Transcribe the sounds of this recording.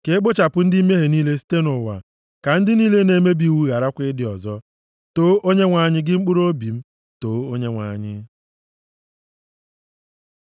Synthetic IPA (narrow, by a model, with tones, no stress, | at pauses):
ke˨˦k͡pʊ˦t͡ʃa˨pʊ˦n̩˦di˦i˦me˦ɦe˨niː˦le˦ste˦nʊ˨wa̰˨ | ka˨n̩˦dɪ˦niː˦le˦ne˦me˦bi˨wu˦ɣa˨ɾa˦kʷɪ˦dɪ˨ɔ˨zɔ˦ | to˦ʔo˦ɲe˦ŋʷa˨ɲɪ˦ɡɪ˦ŋ͡m̩˦k͡pʊ˦ɾo˦bi˨m̩˦ | to˨˦o˦ɲe˦ŋʷa˨ɲɪ˦